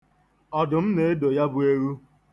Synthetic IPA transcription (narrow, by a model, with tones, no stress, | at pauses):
ɔ˨dʊ˨m̩˦ne˨e˦do˨ja˦bʊ˦e˦ɾu˦